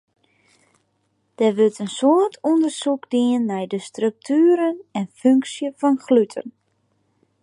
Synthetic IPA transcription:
d̥ɛʋøtənsoərtʰɔndərsukdiənːɛjdəstrøk̚tʰyːəɾənɛnføŋksjəfɔnxlytʰə̰n

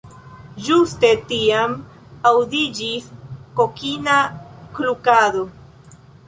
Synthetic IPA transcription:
d͡ʒust̪et̪iam | awd̪id͡ʒiskokinakɾukaðo

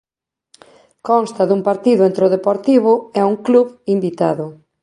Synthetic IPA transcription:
kɔnst̪ɐðuŋpaɾt̪iðʊent̪ɾʊðepoɾt̪iβ̞ʊɛuŋkluβimbit̪aðʊ

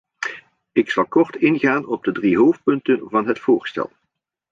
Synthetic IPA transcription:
ɪksɑlˠkɔɹtɪnɣaːnɔb̚dədriɦowft̚pɵntənvɑnɦətfʊːɹstɛ̰lˠ

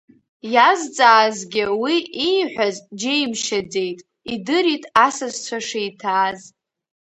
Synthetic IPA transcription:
jazt͡sʼaːzɡʲɪwiiħʷᶣazd͡ʒejmʃad͡ze̞jtʼ | idɨɾitʼasazt͡ʃʷʰaʂejtʰaːz

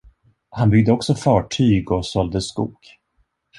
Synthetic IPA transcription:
hanbʏɡ̚d̪əɔksɔfɑːʈʰyːɡɔsɔld̪əskṵːɡ̥

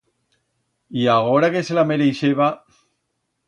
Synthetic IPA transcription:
iaɣoɾakeselameɾeʃeβa

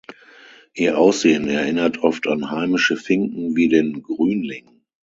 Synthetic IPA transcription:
ʔiːɐʔaʊsz̥eːənɛɐʔɪnɐtʰʔɔftʰanhaɪmɪʃəfɪŋkŋ̩viːdeːnɡʁyːnlɪŋ

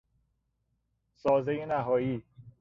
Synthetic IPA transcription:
sɒːzejenæɦɒːjiː

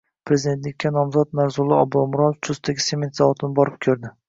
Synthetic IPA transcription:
pʰɾe̞zid̪e̞nt̪lɪkʲːanɒmzɒt̪̚maɾzʊlˠɪɒbumʊɾɒnft͡ʃ̪ʰʊst̪ʰaɡʲɪsemʲe̞nt̪zavɒt̪ʰɪnɪbɒɾɪp̚kʲʰɵɾd̪ɪ

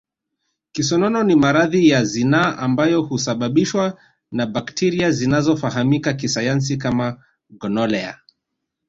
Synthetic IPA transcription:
kisɔnɔnɔnimaɾaðijazinaːʔambajɔhusaɓaɓiʃwa | naɓaktʰiɾiazinazɔfaɦamikakisajans̬ikama | ɡɔnɔlɛa̰

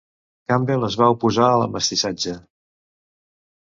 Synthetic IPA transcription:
kambeləzβaupuzaələ̰məst̪isad͡ʒə

